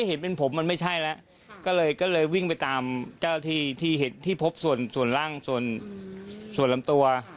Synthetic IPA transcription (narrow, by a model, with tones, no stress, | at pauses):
a˥˩he˨˦npe˧npʰo˩˦mːa˧nma˥˩jt͡ɕʰa˦˥˩jlɛ˦˥ʔ | kɔː˥˩lɤː˧jkɔː˥˩lɤː˧jwi˥˩ŋpa˧jt̪aː˧mt͡ɕa˥˩t̪ʰiː˥˩t̪ʰiː˥˩he˩˦nt̪ʰiː˥˩pʰo˦˥p̚su˨˩ənsu˨˩ənlaː˥˩ŋsu˨˩ən | su˨˩ənla˧˦mt̪u˧ɐ